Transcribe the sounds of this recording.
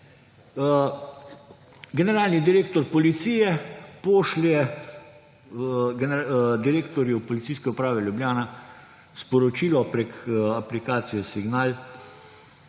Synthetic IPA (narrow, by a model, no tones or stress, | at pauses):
ɡɛnɛɾaːlnid̪iɾeːkt̪ɔɾpɔlit̪siːjɛpoːʃljɛ | ɡnd̪iɾeːkt̪ɔɾjupɔlit̪siːskɛupɾaːʋɛlʲjubljaːna | spɔɾɔt͡ʃiːlɔpɾɛkaplikaːt̪sijɔsiɡnaːl